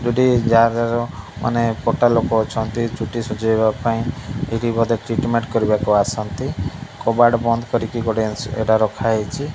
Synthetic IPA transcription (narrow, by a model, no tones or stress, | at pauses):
duɖid͡ʒaɾd͡ʒaɾɔmʔa̰nepɔʈalokɔːt͡ʃʰɔnt̪it͡ʃuʈisud͡ʒɔibapaĩeɽibɔd̪eʈɾiʈmeɳʈkɔɾibakuasɔnt̪ikɔbaɖbɔnd̪ʱɔkɔɾikiɡɔɽeḛʈaɾɔkʰaet͡ʃʰi